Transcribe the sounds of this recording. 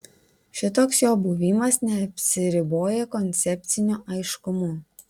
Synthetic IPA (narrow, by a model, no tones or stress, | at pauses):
ʃʲɪt̪oːksjoːbʊʋʲiːmɐsnʲɛɐpʲsʲɪɾʲɪboːjɛkɔnʲt̪sʲɛpʲt̪sʲɪnʲuːʔɐɪʃkʊmuː